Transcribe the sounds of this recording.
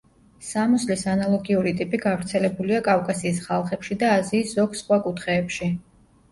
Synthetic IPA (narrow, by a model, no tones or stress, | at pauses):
samɔslisanalˠɔɡiuɾit̪ʼipʼiɡavɾt̪sʰɛlɛbuliakʼafkʼasiːsχalˠχɛpʃid̪aːziːsz̥ɔɡsχwakʼut̪ʰχɛːpʃi